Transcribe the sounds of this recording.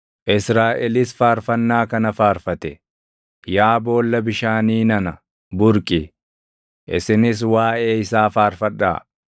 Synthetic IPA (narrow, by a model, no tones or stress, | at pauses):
ʔɪsɾaːʔɛlɪsfaːɾfɐnːaːkɐnɐfaːɾfɐt̪ɛ | jaːbo̞ːlːɐbɪʃaːniːnɐnɐ | bʊɾkʼɪ | ʔɪ̰sɪnɪs̬waːʔeːɪsaːfaːɾfɐᶑa̰ː